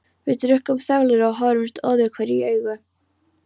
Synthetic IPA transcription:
vɪðt̪ɾʏhkɔmθaɣlɪɾaɣɦɔɾʏɪst̪ɔːðɪɾkʰvɛːɾiœːɥɣʏ

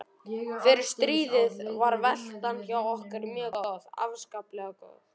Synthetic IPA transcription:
fɛɾɪɾ̥st̪ɾiːðɪðvaɾvɛl̥t̪ançawɔhkʏɾmjœːkða̰vskaːplɛɣakɔ̰ːɣ

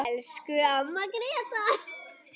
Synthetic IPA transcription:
ɛlskʏamakɾet̪a

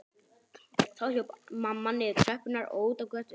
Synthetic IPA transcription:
θaðçowpmamːanːɪt̪ʰɾœhpːʏnaɾo̰ːwut̪awkœt̪

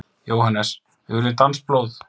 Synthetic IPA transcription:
joːwhanːɛs | ʏɾɪt̪ansploːwð

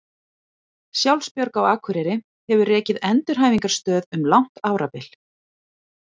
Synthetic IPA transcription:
sjawlspjœɾkawaːkʰvʏɾɪɾɪ | hɛvʏrɛːcɪðɛnt̪ɪɾ̥ɦaːjviŋkaɾ̥st̪œːðʏmlawŋ̥t̪aːwɾapɪl̥

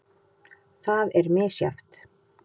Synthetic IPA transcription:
θaðɛɾmɪːsja̰ft̪

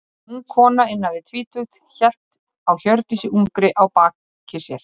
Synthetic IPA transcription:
uŋkʰɔːnaɪnːavɪt̪ʰviːt̪ʰʏxt̪çɛl̥t̪ | awçœɾt̪isɪʔumkɾɪʔawpaːk | cʰːɪsjɛɾ̥

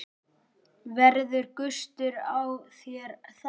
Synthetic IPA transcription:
vɛɾðʏɾkʏst̪ʏɾawθjɛɾθ

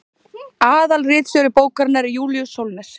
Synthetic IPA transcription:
aːðalrɪːt̪sœɾɪpoːwkaɾnːaɾɪjuːljusowlnɛɾ̥

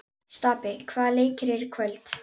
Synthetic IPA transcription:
st̪aːpɪkʰvaːðleːjcɪɾɪɾkʰvœlt̪

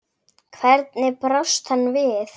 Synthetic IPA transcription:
kʰvɛɾt̪nɪpɾɔst̪hanːvɪθ

